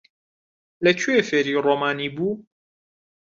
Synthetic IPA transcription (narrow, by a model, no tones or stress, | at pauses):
lɐt͡ʃʰuefeːɾiːroːmaːniːbuː